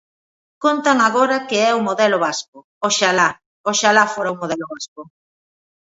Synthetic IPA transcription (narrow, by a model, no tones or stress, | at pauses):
kont̪aŋaɣoɾakeɛumoðɛlʊβaskʊ | oʃala | oʃalafoɾaumoðɛloβaskʊ